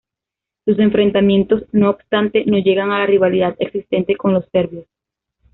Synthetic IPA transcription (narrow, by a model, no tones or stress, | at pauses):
suse̞ɱfɾe̞nt̪amjẽ̞nt̪o̞sno̞ːbst̪ant̪e̞no̞ʝe̞ɣaŋalariβaliðaðe̞ksist̪e̞nt̪e̞ko̞ŋlo̞sfe̞ɾβjos